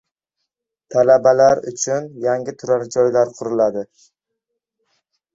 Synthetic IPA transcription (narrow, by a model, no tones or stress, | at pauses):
t̪ʰalabalaɾʊ̰t͡ʃʰʊnjaŋɡʲɪt̪ʰʊɾaɾd͡ʒɒjlaɾqʰʊɾʊlad̪ɪ